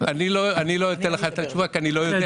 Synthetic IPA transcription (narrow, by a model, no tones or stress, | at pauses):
aniloanilojot̪elxat̪at͡ʃuβakanilojoe